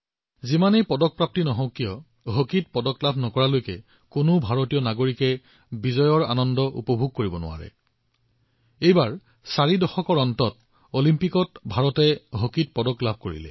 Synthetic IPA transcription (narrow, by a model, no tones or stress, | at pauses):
zimanejpɔdɔk̚pɹap̚tinɔɦɔ̃ʊkːijɔ | ɦokit̚pɔdɔklabʱnɔkɔɹalojkɛ | kʊnʊbʱaɹotijɔnaɡoɹikɛ | bizɔjɔɹa̰nɔndɔʔṵpɔbʱuɡ̚koɹibɔnʊ̰a̰ɹɛ̰ | ejbaɹ | saɹidɔxɔkɔɹɔntɔt | olimpikɔtbʱaɹɔtɛɦokit̚pɔdɔklab̚ʱkoɹḭlɛ̰